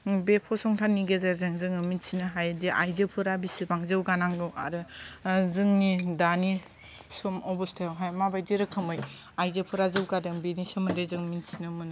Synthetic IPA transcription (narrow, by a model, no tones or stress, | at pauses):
bepʰɔsɔŋtʰanːiɡezaɾzɯŋzɯŋɯminsinɯɦajdiʔa̰jzepʰɯɾabisɯbaŋzɯwɡanaŋɡɯwa̰ɾɯzɯŋnidani | sɔmɔbɔstʰejawɦajmabajdiɾɯkʰɯmɯj | ajzepʰɯɾazɯwɡadɯŋbinisɯmɯndezɯŋminsinɯmɯn